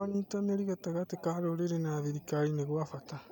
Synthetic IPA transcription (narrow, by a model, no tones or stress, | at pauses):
anit̪aneɾiɣat̪aɣat̪ekahaɾoɾeɾenaβiɾikaɾineɣwafat̪a